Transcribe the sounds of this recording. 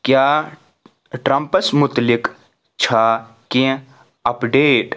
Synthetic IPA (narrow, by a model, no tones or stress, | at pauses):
kjaː | ʈɾɐmpəsmʊt̪lɪk | t͡ʃʰaː | kẽ | ɐpɖeːʈ